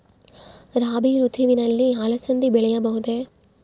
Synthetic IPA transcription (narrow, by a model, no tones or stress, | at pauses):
ɾaːbiɾut̪iʋinɐlːiɐlɐsɐnd̪ibɛɭɐjɐbɐɣɯðe